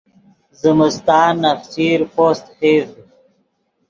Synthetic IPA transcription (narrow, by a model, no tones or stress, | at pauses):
zəməst̪aːnːɐfsiːɾpoːst̪heːz